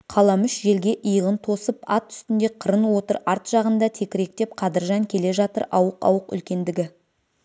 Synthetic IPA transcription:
qʰɑlˠɑmʏʃʒe̞lɡʲe̞ʔəjəʁənt̪ʰo̞səpɑt̪ʰːʏ̥st̪ɪnd̪e̞qʰəɾənwo̞t̪əɾɑɾt̪ʒ̥ɑʁənd̪ɑt̪ʰe̞kʲɪɾe̞k̚t̪e̞pqʰɑd̪əɾʒɑŋkʲʰe̞le̞ʒɑt̪ə̰ɾɑwəqɑ̰wəqʏ̰lkʲe̞nd̪ɪɡʲɪ

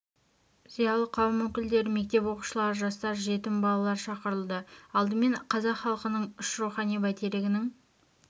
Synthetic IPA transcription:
zijɑlˠəqʰːɑwmɵkʲɪld̪e̞ɾme̞k̚t̪e̞pwo̞qu̥ʃəlˠɑɾəʒɑst̪ɑɾʒe̞t̪ɪmbɑlˠɑlˠɑɾʃɑqəɾəlˠd̪əɑlˠd̪əme̞ɴqʰɑzɑqχɑlˠəqənəɴʊʃɾuχɑnijbæt̪ʰeɾlɪɡʲɪnɪŋ

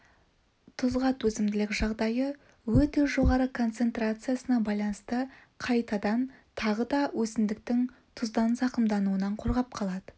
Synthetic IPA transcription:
t̪ʰʊzʁɑt̪wɵzɪmd̪ɪlɪkʒɑʁd̪ɑjə | wɵt̪e̞ʒo̞ʁɑɾəkʰo̞nt̪se̞nt̪rat̪sɨjasənɑbɑjlˠɑnəst̪ə | qʰɑjt̪ɑd̪ɑnt̪ʰɑʁəd̪ɑwʔɵsɪnd̪ɪk̚t̪ɪŋ | t̪ʰʊzd̪ɑnzɑqəmd̪ɑnuwənɑɴqʰo̞ɾʁɑp̚qʰɑlˠɑd̪ə

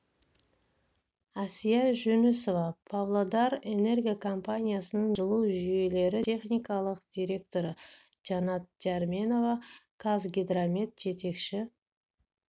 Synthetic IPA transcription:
asijɑʒɵneso̞vɑpʰavlˠod̪ɑɾe̞ne̞rɡʲijakʰompanʲijasənəɴʒəlˠuwʒʏje̞le̞ɾɪe̞χnʲijkɑlˠəqd̪̥ʲiɾʲe̞kt̪o̞ɾə | d͡ʒɑnɑt̪̚d͡ʒarmʲe̞no̞vɑkʰazɡʲed̪ɾamʲe̞t̪̚ʒ̥e̞t̪e̞kʃɪ

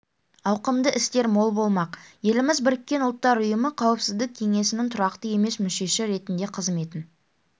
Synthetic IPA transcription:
ɑwqəmd̪əʔɪst̪e̞ɾmo̞lˠbo̞lˠmɑqje̞lɪmɪzbɪɾɪkʲːe̞nʊlˠt̪ːɑɾʊjəməqʰɑwəpsɪzd̪ɪk̚ʲʰːe̞ŋe̞sɪnɪŋt̪ʰʊɾɑqt̪əje̞me̞smʏʃe̞ʃɪɾe̞t̪ɪnd̪e̞qʰəzme̞t̪ɪn

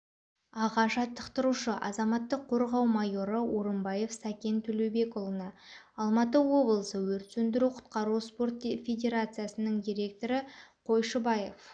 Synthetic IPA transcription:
ɑʁɑʒɑt̪ʰːəqt̪əɾuʃəʔɑzɑmɑt̪ːəqʰːo̞ɾʁɑwmɑjo̞ɾəʔo̞ɾəmbɑje̞fsækʲe̞nt̪ʰɵlewbe̞kolˠənɑ | ɑlˠmɑt̪̬əwo̞blˠəsəwɵɾt̪sɵnd̪ɪɾuqʰʊ̥t̪̚qɑɾuspo̞rt̪̚fʲe̞dʲe̞ɾat̪sɨjasənəɴd̪ijɾʲe̞k̚t̪o̞ɾəqʰo̞jʃəbɑje̞f

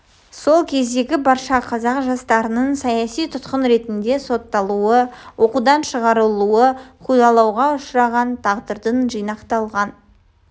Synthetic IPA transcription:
so̞lˠkʲʰe̞zd̪e̞ɡʲɪbɑɾʃɑqʰɑzɑqʒɑst̪ɑɾənəɴsɑjɑsijt̪ʰʊt̪qənɾe̞t̪ɪnd̪e̞so̞t̪ːɑlˠuəwʔo̞qud̪ɑnʃəʁɑɾəlˠuəqʰujɑlˠɑwʁɑʊʃɾɑʁɑnt̪ʰɑʁd̪əɾd̪ənʒijnɑqt̪ɑlˠʁɑn

